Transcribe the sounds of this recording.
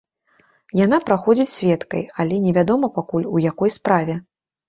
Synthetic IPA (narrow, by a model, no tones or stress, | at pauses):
janapɾaxɔd͡zʲit͡sʲsʲvʲɛt̪kɐ̰jalʲɛnʲɛvʲad̪ɔmɐpakulʲujakɔjspɾavʲɛ